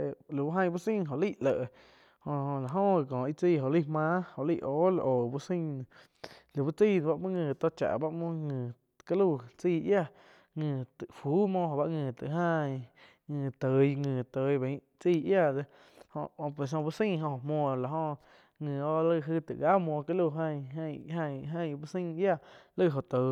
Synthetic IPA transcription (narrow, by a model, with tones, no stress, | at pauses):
e˧lu˨bu˦ɦã˧j̃bu˦sĩ˦˧ɦo˧ʔliː˦˨lə˨ʔ | hõ˧õ˧la˨ɦõ˦˧˨kɔ̃ː˨i˧t͡siː˧˨ɦo˨ʔli˦˧˨hmãː˦ho˨ʔliː˦˧˨ʔoː˨˦l̰ʔoː˨bu˧sĩ˦˧˨ | lu˨bu˦t͡siː˦˧˨n˧ba˧ʔmɨ̃˦ŋɨ̃ː˧˨t̪o˧t͡ʃa̰˨ʔba˦ʔmõ˦ŋɨ̃ː˨ | ka˦lu˧˨t͡siː˧˨ʔja˧˨ | ŋɨ̃ː˧˨t̪ɨ˨fuː˨˦mɔ̃˧ɦo˨ba˧ŋɨ̃ː˨t̪ɨ̰˨ʔɦã˦˧ | ŋɨ̃ː˧˨t̪ə˨˧jŋɨ̃ː˨t̪ə˨˧˦jbẽ˨˦ | t͡siː˧ʔja˦˧˨de˧ | hõ̰˧ʔpwe˨s̬õ˧bu˦sĩ˦˧ɦõ˧˨mwɔ̃˧˨la˨ɦõ˧ | ŋɨ̃ː˨o˧lə˧ɦɨ˧t̪ɨ̰˨ʔɡa˦mwɔ̃˧ka˦lu˧˨ɦə̃˧jə̃˧˨ɦã˧ɦə̃˦˧˨bu˦sĩ˦˧˦ja˦˧˨lə˦˧˨ɦo˧˨t̪ə˨